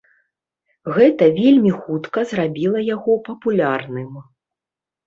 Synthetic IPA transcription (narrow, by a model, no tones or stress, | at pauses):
ɣɛt̪ɐvʲelʲmʲixut̪kɐzrabʲilˠɐjaɣɔpɐpulʲarnɨm